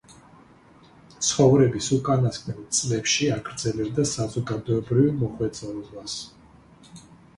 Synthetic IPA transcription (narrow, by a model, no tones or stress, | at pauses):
t̪sʰχɔvɾɛbisukʼanaskʼnɛnt̪sʼlɛpʃiaɡɾd̪zɛlɛbd̪asazɔɡad̪ɔɛbɾivmɔχwɛt̪sʼɔlɔvas